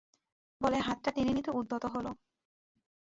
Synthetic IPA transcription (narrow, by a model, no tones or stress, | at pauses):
boleɦat̪̚ːʈaʈininit̪oud̪ʱːot̪oɦolo